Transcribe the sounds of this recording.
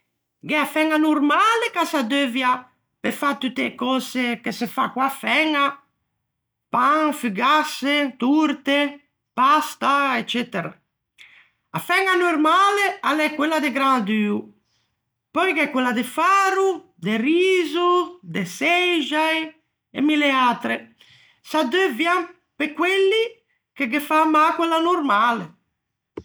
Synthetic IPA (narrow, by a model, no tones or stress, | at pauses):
ɡɛafɛŋanuɾmalekasad̪øvja | pefat̪ut̪ekɔsekesefakwafɛŋa | paŋfyɡaset̪uɾt̪e | past̪aet͡ʃːɛt̪eɾa̰ | afɛŋanuɾmalealɛkːwelːad̪eɡɾand̪yːu | pɔjkɛkːwelːad̪efaːɾu | d̪eriːzud̪esɛʒaj | ḛmːileaːt̪ɾe | sad̪øvjam | pekːwelːi | keɡefamːakwelːanuɾmaːle